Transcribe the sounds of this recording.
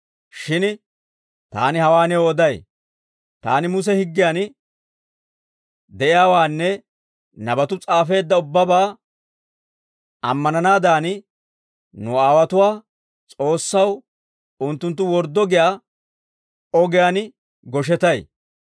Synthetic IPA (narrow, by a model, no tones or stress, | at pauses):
ʃɪn | t̪a̰ːnɪhɐwaːnɛoːd̪ɐj | t̪a̰ːnɪmʊs̬ɛhɪɡːɪjaːn | d̪ɛʔɪjaːwaːnːɛ | nɐbɐt̪ʊt͡sʼaːfe̞ːd̪ːɐʊbːɐbaː | ɐ̰mːɐnɐnaːd̪aːnɪ | nʊaːwɐt̪ʊwaː | t͡sʼo̞ːsːɐw | ʊnt̪ːʊnt̪̬ːʊwɔɾd̪ːɔɡɪjaː | ɔɡɪjan | ɡɔʃ̬ɛt̪ɐj